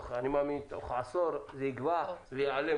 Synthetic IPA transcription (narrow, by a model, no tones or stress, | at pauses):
χanimamint̪o̰χasoɾzeiɡvavejale